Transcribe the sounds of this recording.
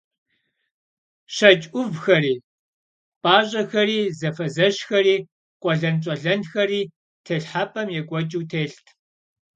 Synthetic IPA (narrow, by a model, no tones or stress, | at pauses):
ɕɐt͡ʃʼʷʊvxɐriː | pʼaːɕʼɐxɐɾiːzɐfɐzɐʃxɐɾiː | qʷʼɔɮɐnt͡ʃʼɔɮɐnxɐriː | tʰeɬħaːpʰʼɐmjɛkʷʼɔt͡ʃʼuːtʰeːɬtʰ